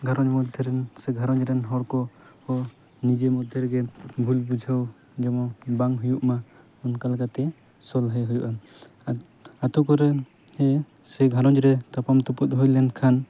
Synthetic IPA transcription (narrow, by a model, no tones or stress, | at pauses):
ɡʱaɾɔɲmɔd̪ʱjɔɾɛnsɛɡʱaɾɔɲɾɛnɦɔɽkɔhɔ | nid͡ʒemɔd̪ʱjɛɾɡɛbʱulbud͡ʒʱaw | d͡ʒɛmɔbaŋɦujuʔma | ɔnkalakat̪ɛ | sɔlɦəjɦujuʔa | at̪ɔkɔɾɛ | hɛ | sɛɡʱaɾɔɲɾɛt̪apamt̪ɔput̪̚ˀɦɔjlɛnkʰan